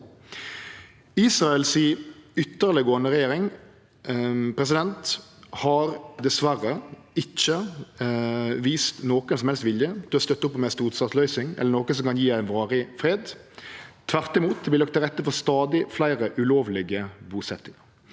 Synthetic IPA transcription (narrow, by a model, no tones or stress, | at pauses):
iːsʁɑɛlsiʏt̪ːəʁləɡoːnəʁɛjeːɾɪŋ | pʰɾɛs̬ɪd̪ɛnt̪hɑɾd̪ɛsʋæɾəɪt͡ʃːə | ʋiːst̪noːkənsɔmhɛlst̪ʋɪljəd̪̥ʉhɑɾst̪œt̪ːʊpːɔmɛst̪uːt̪sɑt̪lœʏsɪŋɛ̰lːəɾnoːkənsɔmkɑnjiːæɪnʋɑːɾɪfɾeːd̪ | t̪ʰʋæʁt̪ɪmuːt̪̚d̪ɛblɪlɑk̚t̪ʰːɪlʁɛt̪ːəfɔɾst̪ɑːd̪ɪflæɪʁəʔʉloːʋlɪɡəbuːsɛt̪ːɪŋɑʁ